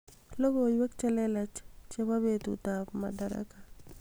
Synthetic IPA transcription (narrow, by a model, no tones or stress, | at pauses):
lobojwɛkt͡ʃɛlɛlat͡ʃt͡ʃebabet̪ṵt̪apma̰daɾa̰ka